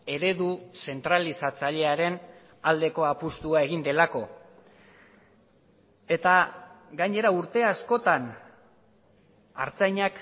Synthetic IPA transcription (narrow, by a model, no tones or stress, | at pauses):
e̞ɾe̞ðuse̞nt̪ɾalisat͡saʎe̞aɾe̞n | ald̪e̞ko̞apust̪uae̞ɣ̞ind̪e̞lako̞ | e̞t̪aɡajɲe̞ɾauɾt̪e̞asko̞t̪an | a̰ɾt͡sajɲak